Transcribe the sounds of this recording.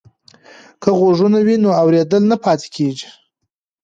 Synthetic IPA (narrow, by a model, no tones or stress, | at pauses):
kəɣoʐunawinoawɾed̪əlnapɑt̪e̥kʰeʒi̥